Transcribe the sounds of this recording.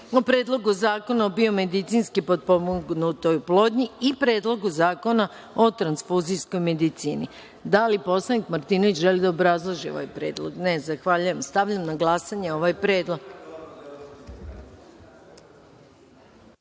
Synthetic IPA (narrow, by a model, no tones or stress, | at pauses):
upɾed̪lˠo̞ɡuzaːko̞naobio̞me̞d̪it̪sinskipo̞d̪̚po̞muɡnut̪o̞juplˠo̞ːd̪ɲiipɾe̞ːd̪lˠo̞ɡuzaːko̞na | o̞t̪ɾansfuːzisko̞jme̞d̪it̪siːnḭ | d̪alipo̞slˠanikmaɾt̪iːno̞ʋit͡ɕʒe̞lid̪aobɾazlˠoʒio̞̰ʋa̰jpɾe̞ːd̪lˠo̰ɡnezaxʋaːʎujemst̪aʋʎamnaɡlasaɲeo̞ʋajpɾe̞ːd̪lo̞ɡ